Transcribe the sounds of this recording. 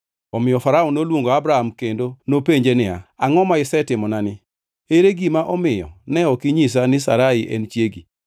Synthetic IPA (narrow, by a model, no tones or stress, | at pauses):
ɔmɪjɔfaɾaɔnolwoŋɡoabɾahamkendonopeɲd͡ʒenɪa̰aŋɔmaɪsɛtɪmɔnanɪ | eɾeɡimaʔɔmɪjɔ̰nɛɔkiɲis̬anɪsa̰ɾaiʔɛ̰nt͡ʃjeɡi